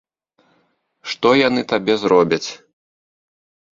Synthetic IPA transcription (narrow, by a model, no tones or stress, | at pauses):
ʂt̪ɔjanɨt̪abʲɛzɾɔbʲɐt͡sʲ